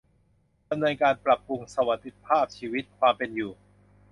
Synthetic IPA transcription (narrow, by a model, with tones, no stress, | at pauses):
da˧mnɤː˧nkaː˧npɾa˨˩pːɾu˧ŋsa˧wa˨˩t̪ʰːi˨˩pʰaː˥˩p̚t͡ɕʰiː˧wi˦˥t̪̚kʰwaː˧mpe˧njuː˨˩